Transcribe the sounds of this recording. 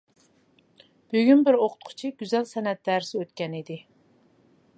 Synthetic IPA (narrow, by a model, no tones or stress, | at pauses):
b̥øɡʲynbɪɾoqʰʊ̥t̪̚qʰʊ̥t͡ʃʰiɡʲyzɛlsɛnɛt̪̚d̪æɾɪsɪøt̪̚kʲɛnid̪ɪ